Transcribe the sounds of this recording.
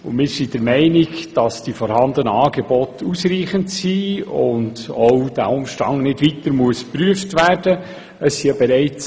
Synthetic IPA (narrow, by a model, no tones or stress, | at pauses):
ʊnmɪːɾsid̥əɾmɛɪnikd̥ɑsd̥ifɔɾhɑndənəɑːɡ̥ɛbɔtusriːχəntsiːʊ̰ntɔwd̥æ̰ʊmʃtɑŋnɪdʋitəɾmuəspɾyəftvæːrd̥ə | əsːijɑbɛɾɛɪt͡s